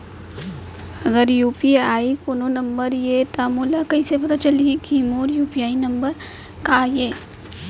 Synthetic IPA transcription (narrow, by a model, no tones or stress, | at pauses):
ɐɡəɾjuːpiaːikoːnonɐ̃mbəɾjet̪amulakɐisepɐt̪at͡ʃɐliikiːmoːɾjuːpiaːinɐ̃mbəɾ | kaːjeː